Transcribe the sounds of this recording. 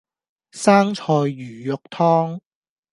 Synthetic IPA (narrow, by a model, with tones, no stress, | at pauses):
saː˥ŋt͡ʃʰɔː˧jːyː˨˩jʊ˨k̚t̪ʰɔː˥ŋ